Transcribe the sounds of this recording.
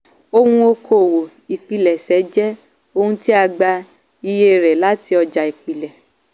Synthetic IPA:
o˧hũ˧o˧kʰo˨wo˨ | i˨k͡pi˨lɛ˨sɛ˨˦d͡ʒɛ˦ | o˧hũ˧ti˦a˧ɡ͡ba˧ | i˧je˦˨ɾɛ˨la˨˦ti˧˦ɔ˧d͡ʒa˧i˨k͡pi˨lɛ˨

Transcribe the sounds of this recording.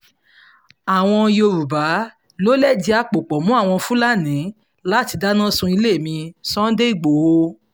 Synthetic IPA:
a˨w̃ɔ̃˧jo˧ɾu˨ba˨˦ | lo˦lɛ˦˨di˧a˧k͡po˨k͡pɔ˨mũ˦a˦˨w̃ɔ̃˧fũ˦la˦nĩ˨˦ | la˦˨ti˧da˦nã˦sũ˧i˧le˦˨mĩ˧sɔ̃˦n̩˦de˦i˦˨ɡ͡bo˨ho˧

